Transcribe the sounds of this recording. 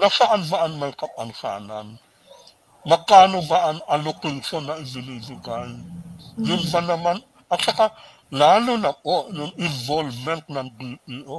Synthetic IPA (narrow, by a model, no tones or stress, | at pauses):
nɐsɐʔanbaʔanmɐjkɐpɐnsa̰ːnɐ̰n | mɐɡkaːnobaʔanɐlokuʃonːɐʔɪzɪniːd͡ʒoɡajjʊnbanɐman | ʔɐt̪̚t͡ʃɐka | laːlonɐʔojʊŋɪnvolvmɛnt̪̚nɐŋbipiʔo